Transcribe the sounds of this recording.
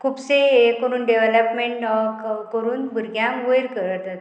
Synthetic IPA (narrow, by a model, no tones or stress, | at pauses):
kʰupseekəɾuːnɖeʋeləpmeɳʈkkəɾuːnbʱuɾɡjãkʋəjɾkəɾəɾt̪at̪